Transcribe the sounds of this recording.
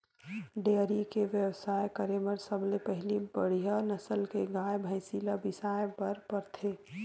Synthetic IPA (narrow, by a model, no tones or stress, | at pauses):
ɖeɾikeʋjəwsaːjkəɾeməɾsəblepəɦɪlibəɽ̤ijanəsəlkeɡaːjbʱə̃ɪsiləbɪsaːjpəɾpəɾt̪ʰe